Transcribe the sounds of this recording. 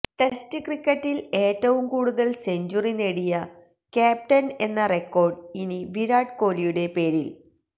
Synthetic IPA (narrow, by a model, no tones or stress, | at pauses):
t̪e̞stɨkrikːɐʈːile̞ːtːɐʋumkuːɽuðɐlse̞ɲd͡ʑurineɽijɐ | kaːp̚ʈɐne̞nːɐrekːo̞ːrɖiniʋiɾaːɖko̞ːlijuɽe̞pe̞ːɾil